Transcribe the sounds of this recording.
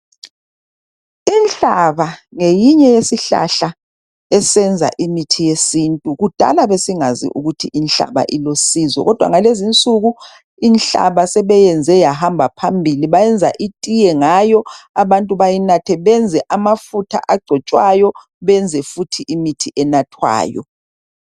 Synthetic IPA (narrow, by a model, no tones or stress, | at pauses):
ɛnɬaβaŋejiɲɛjesiɬa̰ɬa | ɛsɛnd͡zʱa̰ʔimitʰijesintʼuɣud̥ʱa̰laβesiŋazḭʔuɣutʰiʔinɬa̰βa̰ʔilosizɔ̰ɣɔd̥ʱwa̰ŋalezint͡sʼuɣu | inɬa̰βasɛβɛjɛnd͡zʱɛjahambʱapʰambʱiliβajɛnd͡zʱaʔitʼijɛŋajɔaβantʼuβajinatʰɛβɛnd͡zʱɛʔamafutʰa̰ʔaɡ͡ǀʱɔt͡ʃʼwajɔ | βɛnd͡zʱɛfutʰiʔimitʰiʔɛnatʰwa̰ːjɔ̰